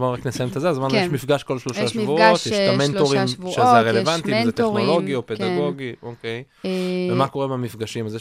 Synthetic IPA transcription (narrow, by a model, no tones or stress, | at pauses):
manʁaknesajemt̪azeazmaneʃmifɡaʃko̞lʃloʃaʃvuot̪jeʃtamentoʁimʃezʁelevant̪izet̪eχnolo̞ɡiopek̪aɡo̞ɡiʔokej | vemako̞ʁemamifɡaʃimazje